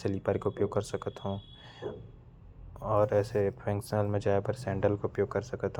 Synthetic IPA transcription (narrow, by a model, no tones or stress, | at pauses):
seliːpaːɾikoʊpjoːɡ̚kɐɾsɐkət̪ɦõː | ɔːɾɛːsepʰɾɛ̃ːŋksnəlmẽd͡ʒaːepəɾsɛ̃ːɳɖəlkoʊpjoːɡ̚kɐɾsɐkət̪ɦ